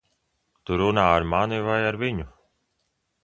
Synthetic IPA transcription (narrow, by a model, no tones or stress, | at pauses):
t̪uɾunaːaɾmanivajaɾviɲu